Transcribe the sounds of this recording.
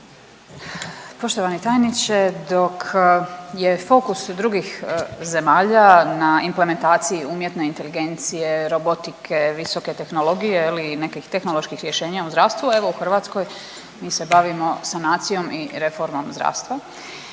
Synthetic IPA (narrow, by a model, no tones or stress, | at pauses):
po̞ʃt̪o̞ʋanit̪aːjnit͡ʃed̪o̞kʰje̞fo̞kusd̪ɾuɡixze̞maːʎanaimple̞me̞nt̪aːt̪sijiuːmjet̪ne̞int̪e̞liɡe̞nt̪sije̞ɾo̞bo̞t̪ikʰeʋiso̞ke̞t̪e̞xno̞lo̞ɡijeline̞kixt̪exno̞lo̞ʃkixɾje̞ʃe̞ːɲauzd̪ɾaːʋst̪ʋue̞ʋo̞uxr̩ʋaːt̪sko̞j | miːse̞baʋimo̞sanaːt̪sijo̞miɾe̞fo̞ɾmo̞mzd̪ɾa̰ːst̪ʋa